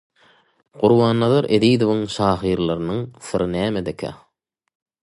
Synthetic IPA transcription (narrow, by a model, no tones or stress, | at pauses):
quɾwɑːnːɑðɑɾʔeðiːd̪ovɯŋʃɑːɦiːɾlˠɑɾɯnɯŋsɨɾʔɯnæːmed̪ekʰæ̰